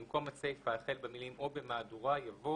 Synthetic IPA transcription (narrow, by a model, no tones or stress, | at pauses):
imko̞mat͡sefaːχelbemilimʔo̞be̞maːduʁajavo